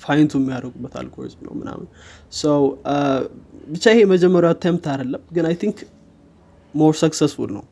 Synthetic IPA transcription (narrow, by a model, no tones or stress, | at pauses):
fajnt̪ʰuɛmːijaɾəɡubːət̪ʰa̰lkʰo̰ɾzmnə̰wmɨna̰mɨn | səw | bɨt͡ʃːajɪheməd͡ʒɛmːəɾjwat̪ʰːajmt̪ʰad̪əlːəmɡɨnajt̪ʰiŋk | moɾsəksɛsfulnə̰w